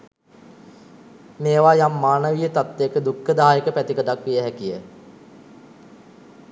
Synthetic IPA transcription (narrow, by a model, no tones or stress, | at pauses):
meːʋaːjamːaːnəʋijət̪at̪ːekəd̪ukːəd̪aɦajəkəpæt̪ikəʈakʋijəɦækijə